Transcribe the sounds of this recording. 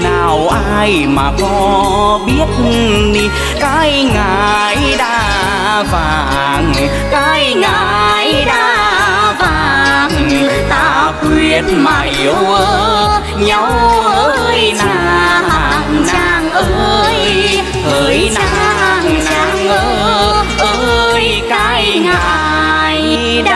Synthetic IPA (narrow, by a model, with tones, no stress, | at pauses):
naː˨˩wʔaː˧jmaː˨˩kɔ˨˦ | ɓi˦˥ət̚ɗi˧˩ | kaː˧˥jŋa˧˩ | jɗaː˧ | vaː˨˩˨ŋ | kaː˧˥jŋa˧j | ɗaː˧˥ | vaː˨˩ŋ | t̪a˧˩kwi˧˩ənma˨˧˩jʔu˧ | ɲa˨˧˦w | jt͡ɕa˧ha˨˩ŋt͡ɕaː˧˩ŋʔə˧j | hə˧˩jt͡ɕna˧a˧ŋt͡ɕaː˧˩ŋo˧ | ʔə˧j | ka˧jŋa | j